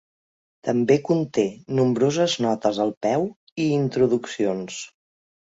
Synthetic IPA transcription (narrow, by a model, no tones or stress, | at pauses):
t̪əmbekunt̪enumbɾozəznɔt̪əzəlˠpɛw | iːnt̪ɾuðuksions